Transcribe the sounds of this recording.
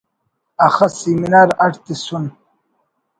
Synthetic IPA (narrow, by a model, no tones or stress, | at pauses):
axasiminaːɾaʈt̪isun